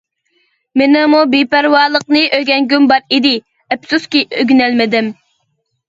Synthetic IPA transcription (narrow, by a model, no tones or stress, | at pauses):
menɪmubepæɾwɑːlˠəq̚nɨʔøɡʲɛnɡʲymbɑɾid̪ɪ | ɛpsuskʲiʔøɡʲynɛlmɪd̪ɪm